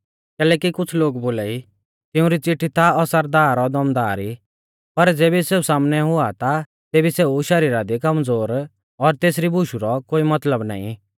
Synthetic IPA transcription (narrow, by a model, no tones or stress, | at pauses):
kɛːlɛːkikʊt͡sʰloːɡboːlaːi | t̪ɪʊ̃ɾit͡sɪʈʰːit̪aɔsəɾd̪aːɾɔd̪ɐmd̪aːɾi | pɐɾd͡zeːbiseːusaːmnɛɦʊat̪a | t̪eːbiseːuʃɐɾiːɾad̪ikɐmd͡zoːɾ | ɔɾt̪eːsɾibʱʊʃuɾɔkoːimɐt̪ləbna̰ːḭ̃